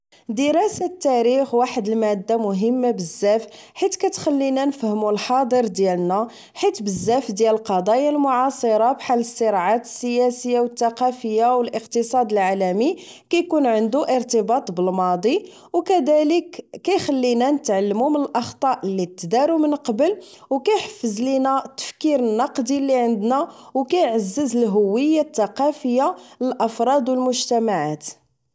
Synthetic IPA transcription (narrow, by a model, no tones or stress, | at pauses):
d̪əɾɑsat̪ːæɾixwaħəd̪əlmæd̪ːamʊɦəmːabəzːæfħit̪kæt̪xælːinænəfhəmulħɑd̪ˤəɾd̪jælnæ | ħit̪bəzːæfd̪jæləlqɑd̪ˤɑjalmʊʕɑsˤəɾˤɑbħalːəsːəɾʕat̪ə̥sːəjæsəjːawət̪ːaqɑfəjːawəlʔəqt̪əsˤɑd̪əlʕalæmi | kæjkunʕənd̪uʔəɾt̪əbɑt̪ˤbəlmɑd̪ˤi | wkæd̪æləkːæjxəlːinænət̪ʕalːəmumənəlʔɑxt̪ˤɑʔlːit̪ːd̪æɾumənqɑbəl | wkæjħə̥fːəzlinæt̪ːə̥fkiɾənːɑqd̪ilːiʕənd̪nawkæjʕəzːəzəlɦʊwːəjːat̪ːɑqɑfəjːaləlʔɑfɾˤɑd̪wəlmʊʒt̪æmaʕat̪